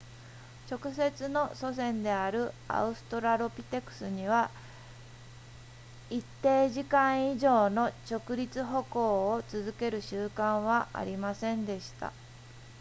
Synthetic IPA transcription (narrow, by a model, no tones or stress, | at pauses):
t͡ɕo̞kɯ̟se̞t͡sɨno̞so̞s̬ẽ̞nd̪e̞aɾɯ̟a̰ɯ̟sɨ̥t̪o̞ɾaɾo̞pʲi̥t̪e̞kɯ̟̥sɨɲ̟iβa | it̪ːe̞ːʑikãɰ̃iʑo̞ːno̞t͡ɕo̞kɯ̟ɾʲit͡sɨɦo̞ko̞ːot͡sɨzɨke̞ɾɯ̟ɕɨːkãɰ̃βaʔa̰ɾʲimasẽ̞nd̪e̞ɕi̥t̪a̰